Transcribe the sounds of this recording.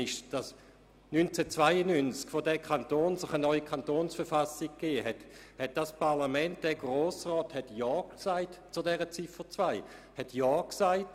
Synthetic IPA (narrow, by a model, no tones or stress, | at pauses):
ɪʃd̥as | nynt͡sɛt͡svaɪənynt͡skfodɛkʰantoːnsoχənɔʏikʰantoːnsfəʁfasik̚kːeːhɛthɛt̚d̥aspʰaʁlamɛnt̚d̥ɛɐɡʁoːsʁɔːthɛtjɔːksaɪtt͡sudɛːʁət͡sifət͡svaɪ | hɛtʰjɔːksaɪt